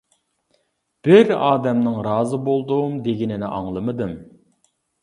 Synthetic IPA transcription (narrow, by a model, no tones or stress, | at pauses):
b̥ɪɾɑːd̪ɛmnɨŋɾɑːzɨbolˠd̪umd̪eɡʲinɪnɪ̰ʔɑŋlˠɨmɨd̪ɨm